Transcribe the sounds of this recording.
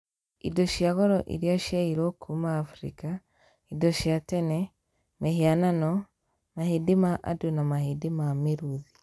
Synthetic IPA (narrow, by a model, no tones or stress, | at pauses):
ḭdoʃiaɣɔɾɔ̰ʔḭɾjaʃaiɾokʰumaːfɾḭka | idɔʃiatɛnɛ | mɛhiananɔ | mahidimaʔa̰dunamahidimamiɾuði